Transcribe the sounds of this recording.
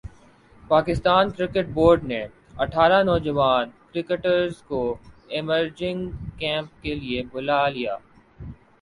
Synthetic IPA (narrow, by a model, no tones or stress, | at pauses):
paːkɪst̪aːnkɾɪkɪʈ̚boːɾɖne | ɐʈʰaːɾanɔːd͡ʒɐʋaːnkɾɪkəʈəɾzkoɪməɾd͡ʒɪ̃ŋɡkɛ̃ːmp̚keliebʊlalija̰ː